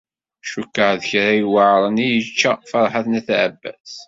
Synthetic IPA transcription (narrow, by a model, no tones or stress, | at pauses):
ʃukːəʕðəçɾajwəʕɾˤənijət͡ʃːafɑɾˤħaθnæθæəbːæ̰s